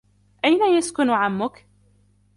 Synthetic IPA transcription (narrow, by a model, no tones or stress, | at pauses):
ʔajnajaskʊnʕamːʊk